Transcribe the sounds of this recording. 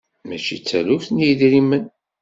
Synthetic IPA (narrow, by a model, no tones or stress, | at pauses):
mæt͡ʃḭt͡sːælufθnjid̪ɾimːən